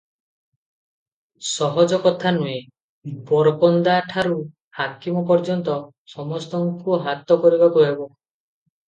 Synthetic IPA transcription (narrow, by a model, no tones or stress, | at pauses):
sɔɦɔd͡ʒɔkɔt̪ʰanue | bɔɾbɔnd̪aʈʰaɾu | hakimɔpɔɾd͡ʒɔnt̪ɔ | sɔmɔst̪ɔŋkuɦat̪ɔkɔɾibak̪oɦebɔ